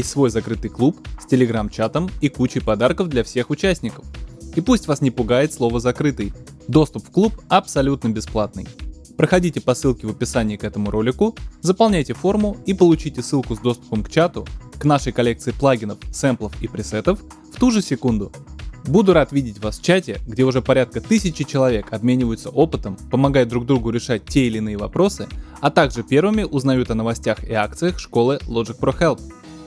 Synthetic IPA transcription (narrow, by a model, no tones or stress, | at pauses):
sʲtʲsvo̞jzɐkɾɨt̪ɨjklˠupsʲtʲɪlʲɪɡɾamt͡ɕat̪əmikut͡ɕɪjpɐd̪arkəvd̪lʲɐfsʲe̞xʊt͡ɕæsʲnʲɪkə̥fipusʲtʲvasnʲɪpʊɡajɪt̪slˠo̞vəzɐkɾɨt̪ɨj | d̪o̞st̪ʊpfklˠupɐpsɐlʲut̪nəbʲɪsplˠat̪̚nɨ̰j | pɾəxɐdʲitʲɪpɐsɨlˠkʲɪvəpʲɪsanʲɪjəkɛt̪əmʊɾʔo̞lʲɪkʊzəpɐlˠnʲæjtʲɪfo̞rmʊipəlˠʊt͡ɕitʲɪsːɨlˠkʊzd̪o̞st̪ʊ̥pəmkt͡ɕat̪ʊknaʂəjkɐlʲe̞k̚t̪sɨɪplˠaɡʲɪnəfsɛmplˠəfipɾʲɪsɛt̪əf | ft̪uʐɨsʲɪkund̪ʊbud̪ʊɾat̪vʲidʲɪtʲvasft͡ɕætʲɪɡdʲe̞ʊʐɛpɐɾʲat̪̚kət̪ɨsʲɪt͡ɕɪt͡ɕɪlˠɐvʲe̞kʰɐbmʲenʲɪvəjʊt̪səʔo̞pɨt̪əmpəmɐɡajd̪ɾuɡ̚d̪ɾuɡʊɾʲɪʂat̚ʲtʲːeɪlʲɪnɨjəvɐpɾo̞sɨ | ɐt̪aɡʐɨpʲe̞rvɨmʲɪʔʊznɐjut̪ɐnəvɐsʲtʲaxɪ̰ak̚t̪sɨjəxʂko̞lˠɨlˠo̞ʐɨk̚pɾoxɛlˠp̚